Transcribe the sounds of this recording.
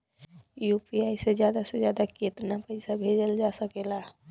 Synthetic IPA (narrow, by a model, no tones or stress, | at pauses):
jupiaised͡ʒjad̪ased͡ʒjad̪aket̪napəɪsabʱed͡ʒəld͡ʒasəkela